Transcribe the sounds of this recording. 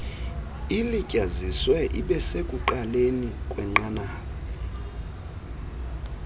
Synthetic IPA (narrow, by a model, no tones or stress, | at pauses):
ilicʼaziswɛʔiɓɛsekʼuǃalenikʼwɛŋ͡ǃanaːkɔ